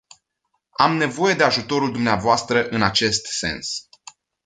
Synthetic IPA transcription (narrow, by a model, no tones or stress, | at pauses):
amne̞vo̞je̞d̪e̞aʒut̪o̞ɾuld̪umneavoast̪ɾəʔɨnat͡ʃe̞st̪se̞̰ns